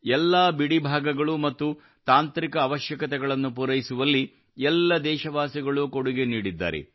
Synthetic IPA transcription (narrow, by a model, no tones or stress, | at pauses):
ɛlːaːbiɽibʱaːɡɐɡɐɭumɐt̪ːu | t̪aːnt̪ɾikɐːʋɐʃjɐkɐt̪ɛɡɐɭɐnːupuɾɐjisuʋɐlːi | ɛlːɐd̪ɛːʃɐʋaːsiɡɐɭukoɽuɡe̞niːɽid̪ːa̰ːɾḛ